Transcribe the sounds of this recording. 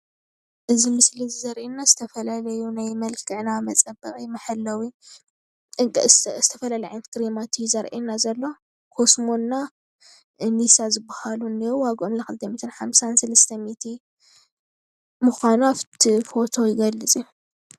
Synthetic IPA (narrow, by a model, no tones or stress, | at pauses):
ʔɨzimɨslizzɐɾʔenːazɨt̪ʰɐfɐlalɐjunajmɐlkʰɨʕnamɐt͡sʼɐbɐχʼimɐħɐlːɐwi | zɨt̪ʰɐfɐlaliʕank̪ʰɾimat̪ʰizɐɾʔenazɐlːo̞ | kʰo̞smo̞nːa | nisazɨbːahaluniwaɡomlɐxɨlt̪ʰɐmit̪ʰɨnħamsansɐlɐst̪ʰɐmit̪ʰi | mɨxanaft̪ʰifo̞t̪ʰo̞jɪɡɐlːɨt͡sʼi